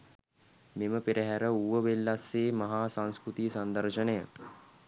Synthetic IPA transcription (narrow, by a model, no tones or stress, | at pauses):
meməpiɾəɦæɾəuʋəʋelːasːeːmaɦaːsaŋskɾut̪isand̪aɾʃənejə